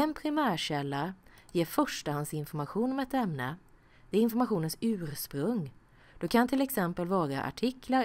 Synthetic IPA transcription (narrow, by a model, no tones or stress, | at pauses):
ɛnpʰɾɪmæːɕɛlːajeːɾfœʂʈahansɪnfɔɾmaɧuːnɔmɛt̪ɛmnə | d̪̥ɛːɾɪnfɔɾmaɧuːnənsʉ̟ːɾspɾɵŋ | d̪̥ɔkʰant̪ʰɪlɛksɛmpəlvɑːɾaʔa̰ʈʰɪkʰlaɾ